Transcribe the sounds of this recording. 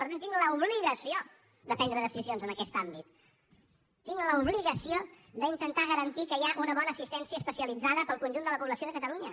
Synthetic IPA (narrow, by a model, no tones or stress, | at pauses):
pəɾt̪ant̪iŋləuβliɣəsio | d̪əpɛnd̪ɾəðəsizionzənəkɛst̪ambit̪ | iŋləuβliɣəsio | d̪əint̪ənt̪aɣəɾənt̪ikəjaʔunəβɔnəːsist̪ɛnsiəːspəsiəlid͡zaðəpəlˠkunʲʒund̪ələpuβləsioðəkət̪əluɲə